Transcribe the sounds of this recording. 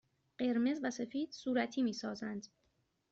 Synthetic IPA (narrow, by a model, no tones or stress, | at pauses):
ɢ̥e̞ɾme̞zvæse̞fiːd̪̥suːɾæt̪ʰiːmiːsɒːzænd̪̥